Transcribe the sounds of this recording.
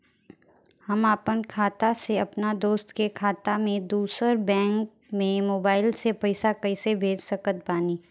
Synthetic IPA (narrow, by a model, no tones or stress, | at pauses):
hɐmaːpənkʰaːt̪aseɐpnad̪oːst̪kekʰaːt̪amẽd̪uːsəɾbɛ̃ːŋk | mẽmoːbaːɪlsepɐɪsakɐɪsebʱeːd͡ʒsɐkət̪̚baːniː